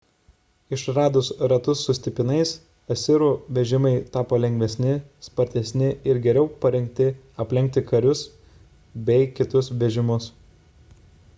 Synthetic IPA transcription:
ɪʃɾɑːd̪ʊsɾɐt̪ʊsːʊsʲt̪ʲɪpʲɪnɐɪs | ɐsʲɪɾuːʋʲɛʒʲɪmɐɪt̪ɑːpoːlʲɛŋʲɡʲʋʲɛsʲnʲɪspɐɾʲt̪ʲɛsʲnʲɪɪɾɡʲɛɾʲɛʊpɐɾʲɛŋʲk̚ʲt̪ʲɪ | ɐpʲlʲɛŋʲk̚t̪ʲɪkɐɾʲʊs | bʲɛɪkʲɪt̪ʊsʋʲɛʒʲɪmʊs

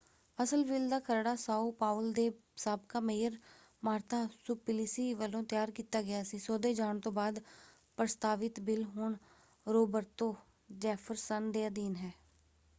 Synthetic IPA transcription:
əsəlʋiːld̪aːkʰəɾɽaːsaːuːpaːʋld̪eːsaːbkaːmeːjəɾ | maːɾt̪aːsʊpɪlisiːʋəlːõːt̪jaːɾkiːt̪aːɡɪjaːsiːsoːd̪eːd͡ʒaːɳ̃t̪õːbaːd̪ | pɾəst̪aːʋɪt̪bɪlɦoːɳ | ɾoːbəɾt̪õː | d͡ʒɛːfʰəɾsənd̪eːəd̪iːnɦɛː

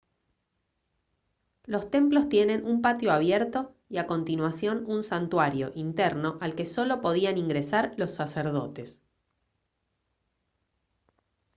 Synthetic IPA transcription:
lo̞st̪e̞mplo̞st̪je̞ne̞numpat̪jo̞aβ̞jeɾt̪o̞ | iako̞nt̪inwasjo̞nunsant̪waɾjo̞̰ʔint̪eɾno̞ʔalke̞so̞lo̞po̞ð̞ianiŋɡɾesaɾlo̞sːaseɾðo̞̰t̪e̞s

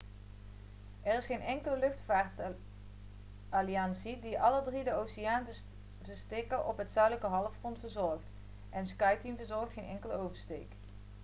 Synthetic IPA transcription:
ɛrɪsχejnɛŋkələlɵχtfaːɹt | aliɑnsidiʔɑlədridəowsijaːn | vəstekəʔɔpɦətsœɥdləkəɦɑləfχrɔntv̥əɹzɔɹχt | ʔɛnskɑjtimvəɹzɔɹxtχejnɛŋkələowvəɹstḛjk

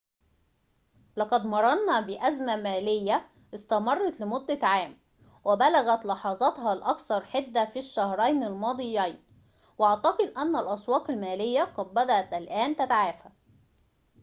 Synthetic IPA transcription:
lɑqɑd̪mɑɾˤɑɾnɑbɪʔæzmæmæːlɪjːæ | ʔɪst̪æmɑrˤːɑt̪lɪmʊd̪ːæʕaːm | wɪbælæɣæt̪lɑħɑzˤɑt̪ɦɑlʔɑkθɑɾˤħed̪ːæfiʃːæhɾˤɑjnɪlmɑːd̪ˤɨjːɑːn | wʔɑʕt̪ɑqɨd̪ʔænːælʔɑswɑːqɪlmæːlɪjːæqɑd̪̚bæd̪æʔæt̪ʔælʔæːnt̪æt̪aʕaːfæ

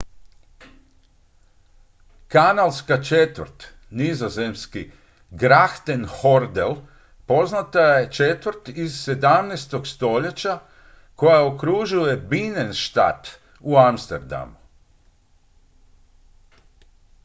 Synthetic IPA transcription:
kanalˠskat͡ʃet̪ʋəɾt̪ | nizoze̞mski | ɡɾaxt̪enho̞ɾd̪el | po̞znat̪aje̞t͡ʃet̪ʋɾt̪izse̞d̪amnest̪o̞ɡst̪o̞ʎe̞t͡ɕa | ko̞jaokɾuʒuje̞binenʃt̪a̰t̪ | uamst̪eɾd̪a̰mu

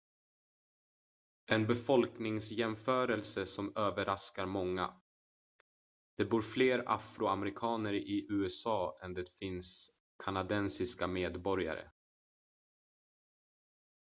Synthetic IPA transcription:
ɛnbɛfɔlknɪŋsjɛmfœːɾəlsəsɔmøːvəɾaskaɾmɔŋːa̰ | d̪̥ɛbuːɾfleːɾa̰fɾʊamɛɾɪkʰɑːnəɾɪʔʉ̟ːɛsɑːɛnd̪ɛt̪fɪns | kʰanad̪ɛnsɪskameːd̪bɔɾja̰ɾə̰

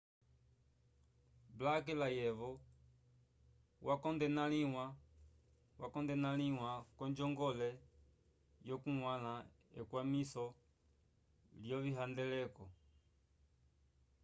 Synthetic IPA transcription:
blakɛlajɛβɔ | wʔakɔndɛnaliwa | wakɔndɛnaliwakɔɲd͡ʒɔŋɡɔlɛ | jɔkuŋwala | ɛ̰kwamisɔ | ljɔβiɦandɛlɛkɔ

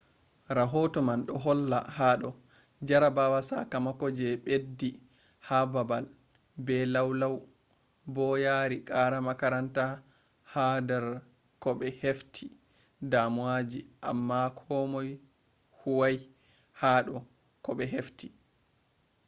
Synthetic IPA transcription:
ɾaɦɔtɔmanɗɔɦɔlːa̰haɗɔ | d͡ʒaɾabawasa̰kamakɔd͡ʒɛɓedːi | hababal | bɛlawlaw | bɔjaɾikʼaɾamakaɾanta | hadɛɾ | kɔɓɛheftʰi | damuwad͡ʒiʔa̰mːakʰɔmɔj | huwaj | haːɗɔ | kɔɓɛɦefti

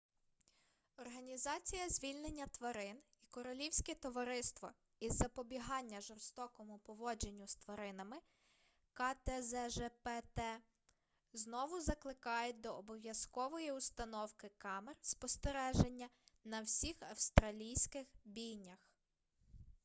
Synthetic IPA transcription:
ɔrɦɐnʲizɑt͡sʲijɐzʲʋʲilʲnenʲːɐt̪ʋɐɾɪn | ikɔɾɔlʲiwsʲkɛt̪ɔʋɐɾɪst̪ʋɔ | izːɐpɔbʲiɦɑnʲːɐʒɔrst̪ɔkɔmʊpɔʋɔd͡ʒenʲːʊst̪ʋɐɾɪnɐmɪ | kɑt̪ɛzɛʒɛpɛt̪ɛ | znɔʋʊzɐklˠɪkɑjed̪ɔːbɔʋʲjɐskɔʋɔjiʊst̪ɐnɔwkɪkɑmerspɔst̪eɾɛʒenʲːɐnɐwsʲixɐwst̪ɾɐlʲijsʲkɪxbʲijnʲɐx

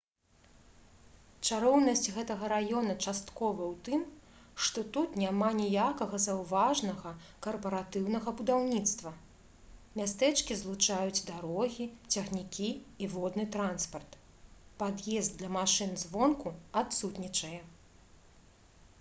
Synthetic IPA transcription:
t͡ʂaɾɔwnɐsʲt͡sʲɣɛt̪ɐɣɐɾajɔnɐt͡ʂast̪kɔvɐwt̪ɨmʂt̪ɔt̪ut̪nʲamanʲɛjakɐɣɐzɐwvaʐnɐɣɐkɐrpɐɾat̪ɨwnɐɣɐbud̪awnʲit̪st̪vɐ | mʲast̪ɛt͡ʂkʲizlˠut͡ʂajud͡zʲd̪aɾɔɣʲit͡sʲɐɣnʲikʲiːvɔd̪nɨt̪ɾanspɐrt̪ | pad̪jɛzd̪d̪lʲɐmaʂɨnzvɔnkuat̪sut̪nʲit͡ʂɐjɛ

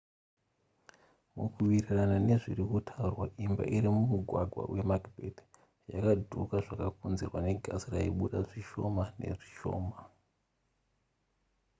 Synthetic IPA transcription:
mukuʋiriranane̞ʐirikutʰaurwaʔimba̰ʔiɾimumuɡʱwaɡʱwa̰wʔe̞makbʱḛd | ja̰kadʱukaʐakakunzirwane̞ɡʱasiraiɓuɗaʐiʃo̞mane̞̰ʐiʃo̞̰ːma

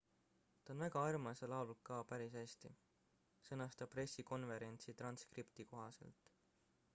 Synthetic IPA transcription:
t̪ɑonvæɡ̥ɑɑrmɑselɑwlukɑːpæɾisæst̪ḭ | sɤnɑst̪ɑpre̞sːiko̞nve̞ɾe̞nʲt̪sit̪ɾrɑnskript̪iko̞ɦɑse̞̰lt̪ˑ

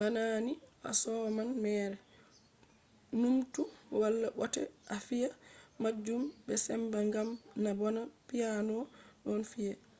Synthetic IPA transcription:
banaːniʔa̰sɔmanmɛːɾɛ | numtuwalːaɓɔtɛ̰ʔafijamad͡ʒːumbɛsɛmbaŋɡamnabɔnapijanɔɗɔnfijɛ

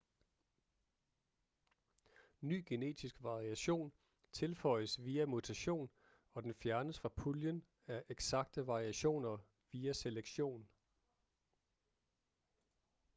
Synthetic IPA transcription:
ny̰ːɡ̥ene̝̰ːd̥isɡ̥ʋɑ̈ʁiæɕo̝̰ːn | t͡sʰe̝lfɒ̽ɪəsʋiːæmut͡sʰæɕo̝̰ːn | ɒ̽d̥enfjæɐnəsfʁɑ̈pʰuljən | æɐʔeɡ̥sɑ̈ɡ̥̚d̥əʋɑ̈ʁiæɕo̝̰ːnɐ | ʋiːæseleɡ̥ɕo̝̰ːn

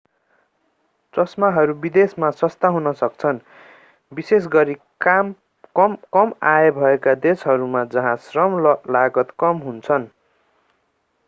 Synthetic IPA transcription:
t͡sʌsmaɦʌɾubid̪esmasʌst̪aɦunʌsʌkt͡sʰʌn | bises̬ɡʌɾi | am | kʌmkʌmaebʱʌekad̪esɦʌɾumad͡zʌɦãsrʌmlaɡʌt̪kʌmɦunt͡sʰʌn

